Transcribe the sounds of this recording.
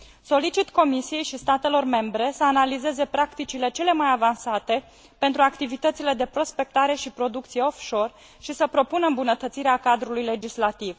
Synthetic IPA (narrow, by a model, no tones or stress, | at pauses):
so̞lit͡ʃit̪ko̞misije̞jʃist̪at̪e̞lo̞rme̞mbɾe̞səanalize̞ze̞pɾakt̪it͡ʃile̞t͡ʃe̞le̞majavansat̪e̞ | pe̞nt̪ɾuakt̪ivit̪ət̪sile̞d̪e̞pɾo̞spe̞k̚t̪aɾe̞ʃipɾo̞d̪ukt̪sijeo̞fʃo̞r | ʃisəpɾo̞punəɨmbunət̪ət̪siɾeakad̪ɾulujle̞d͡ʒislat̪iv